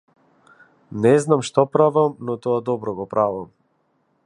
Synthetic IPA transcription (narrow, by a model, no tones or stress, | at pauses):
nɛznamʃt̪ɔpɾavamnɔt̪ɔad̪ɔbɾɔɡɔpɾavam